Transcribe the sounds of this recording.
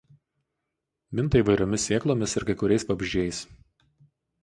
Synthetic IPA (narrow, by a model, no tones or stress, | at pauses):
mʲɪnt̪ɐiːʋɐɪɾʲoːmʲɪsʲeːklˠoːmʲɪsɪɾkɐɪkʊɾʲɛɪspɐbʲɪʒʲd͡ʒʲɛɪs